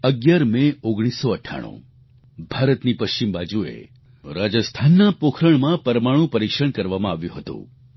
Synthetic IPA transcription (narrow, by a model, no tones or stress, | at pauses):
əɡjaɾmẽoɡɽ̃isːɔəʈʰa̰ɽ̃ṵ̃ | bʱaɾət̪nipəʃt͡ʃimbad͡ʒuḛ | ɾad͡ʒəst̪ʰanːapokʰɾəɳmãpəɾmaɽ̃ũpəɾikʃəɳ̃kəɾʋamãaʋjũɦət̪ṵ̃